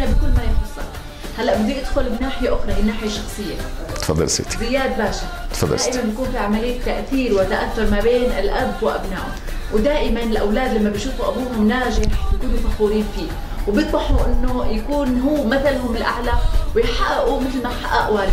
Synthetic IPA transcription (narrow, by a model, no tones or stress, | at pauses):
ʔnabɪkʊlːmajɪxlʊsˤɑ̰ | halːaʔbɪd̪ːiʔɪd̪xʊlɪnːaːħɪjaʔʊxɾˤɑʔɪnːaːħɪjaʃɑxsˤɨjːa̰t̪fɑ̰d̪ˤːɑ̰lsḛzɪjːaːd̪̚baːʃat̪fɑd̪̰ˤːʔɪmanbjakuːnfiːʕamalɪjːat̪ːaʔθiːɾwɪt̪ːaʔaθːʊɾˤmabeːnɪlʔabːwɪʔa̰bnaːʔhʊ̰m | wɪd̪aːʔɪmanɪlʔawlaːd̪lamːabɪʃuːfuʔabuːɦʊmnaːʒɪħbjakuːnʊfaxuːɾiːnfiː | wbjɨt̪ˤɑħuʔɪnːojakuːnɦuːmaθalɦʊmɪlʔa̰ʕlawɪjħaʔʔumɪt̪lmaħaʔaʔwal